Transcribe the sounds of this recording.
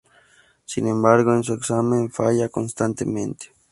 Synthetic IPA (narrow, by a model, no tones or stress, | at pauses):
sinẽmbaɾɣoens̬ueksamẽɱfaʎakonst̪ant̪emẽnt̪e̥